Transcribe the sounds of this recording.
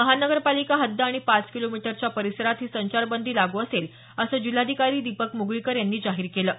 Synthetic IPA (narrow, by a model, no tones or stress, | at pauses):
əɦanəɡəɾpalikaɦəd̪ʱjaaɽ̃ipat͡skilomiʈəɾt͡ɕjapəɾisəɾat̪ɦiːsəɲt͡ɕaɾbənd̪ʱiːlaɡuːəsel | əsəːd͡ʑil̤ad̪ʱikaɾiːd̪ipəkmuɡɭikəɾjanːiːd͡zaɦiːɾkeləː